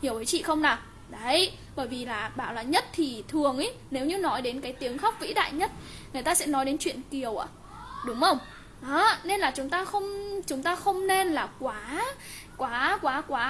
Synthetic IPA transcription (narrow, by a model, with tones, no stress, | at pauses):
ɲi˨˩əwʔəː˨˦jt͡ɕḭ˧˨xə˧wŋ͡mnaː˨˩ | ɗə˨˦j | ɓəː˧˩jvi˨˩laː˨˩ɓaː˧˩˨wlaː˨˩ɲə˦˥t̚t̪ʰi˨˩t̪ʰɨ˨˩əŋʔi˨˦ | ne˨˦wɲɨ˧nɔ˨˦jɗe˨˦nkaː˨˦jt̪i˨˦əŋxa˦˥wk͡p̚vḭ˧˥ɗa̰ː˧˨jɲə˦˥t̚ŋ˨˩jt̪aː˧sɛ̰˧˥nɔ˨˦jɗe˨˦nt͡ɕwḭ˧˨ənki˨˩əwʔa̰ː˧˩ | ɗʊ˨˦ŋ͡mhə˧wŋ͡m | ʔɔ˨˦ne˧nlaː˨˩t͡ɕʊ˨˦ŋ͡mt̪aː˧xə˧wŋ͡mt͡ɕʊ˨˦ŋ͡mt̪aː˧xə˧wŋ͡mne˧nlaː˨˩kwaː˨˦ | kwaː˨˦kwaː˨˦kwaː˨˦